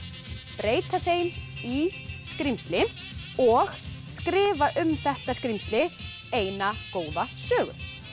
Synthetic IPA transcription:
pɾeːjt̪aθejniskɾimst̪lɪ | ɔɣskɾɪːvaʔʏmθɛht̪askɾimst̪lɪ | eːjnakoːwðasœːɣʏ̰̥

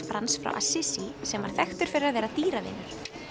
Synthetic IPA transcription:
fɾansfɾa̰wʔa̰sɪsisɛmvaɾ̥θɛxt̪ʏɾ̥fɪɾɪɾaðvɛːɾat̪iːɾaðɪ̰nːʏɾ̥

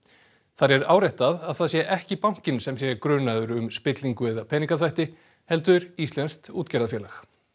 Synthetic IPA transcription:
θaɾɛɾaːwɾajht̪aðaðθaðsjɛʔɛhcɪpawŋ̥cɪnsɛmsjɛkɾʏːnaðʏɾʏmspɪt̪liŋkʏɛðapʰɛːniŋkaθvajht̪ɪ | hɛlt̪ʏɾist̪lɛnst̪uːt̪cɛɾðafjɛːlax

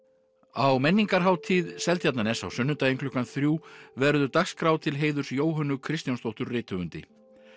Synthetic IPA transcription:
awmɛnːiŋkaɾ̥ɦaːwt̪ʰiːðsɛlt̪jat̪nanɛsawsʏnːʏnt̪aeŋkʰlʏhkanθɾjuːvɛɾðʏt̪axskɾawt̪ʰɪlɦeːjðʏɾ̥sjoːwɦœnːʏkʰɾɪst̪janst̪owht̪ʏɾrɪːt̪ʰʏvʏnt̪ɪ̰

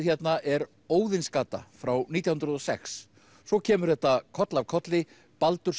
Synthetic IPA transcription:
çjɛt̪naʔɛɾ | oːwðɪnskaːt̪a̰fɾawniːt̪jahnɾʏðɔsɛ̰ks | sɔcʰɛːmʏɾ̥θɛht̪ːakʰɔt̪lavkʰɔt̪lɪ | palt̪ʏɾ̥

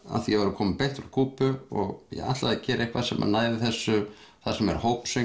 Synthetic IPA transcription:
a̰θijɛvaɾʏkʰɔːmɪpejn̥t̪ɾakʰuːpʏɔɣjɛ̰ɣa̰ht̪laðacɛːɾʔehkvaðsɛma̰naːjðɪθɛsːʏθasɛmɛ̰ɾhoːwpsʏ

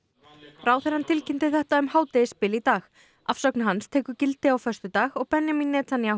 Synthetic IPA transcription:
raːwθɛɾ̥hant̪ʰɪlcʰɪnt̪ɪθɛht̪aʏmhaːwt̪ɪspɪːlit̪aːx | afsœknaɦanst̪ʰɛːkʏcɪlt̪ɪawfœst̪ʏt̪aːɣɔɣpɛnjaminːɛːt̪ʰanja

